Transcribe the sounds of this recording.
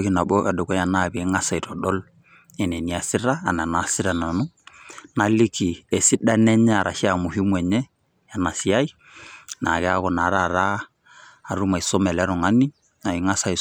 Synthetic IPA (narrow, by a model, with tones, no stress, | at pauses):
ki˨na˨bo˦ka˨do˨kɔ˦ja˨na˦˨be˨˦ŋa˦sa˨i˨tɔ˨ɗɔ˦l | e˨nɛ˨ni˨a˨si˦ɾaː˦˨na˨na˨˦si˦ɾa˨na˨nu˦ | na˨li˦ki˨e˨si˦da˦nɛ˦ɲɛ˦a˨ɾa̰˨ʃi˦a˨mu˨hi˦mwɛ˨ɲɛ˦ | ja˨na˨si˨˦a˦i˦ | na˨kɛ˨˦a˦kɔ˨na˨˦ɾa˦˨ɾaː˦˨ | ɾu˦ma˨i˨sɔ˦mɛ˨la˦ɾɔ˨ŋa˦ni˦ | na˨i˨ŋa˦sa˨i˨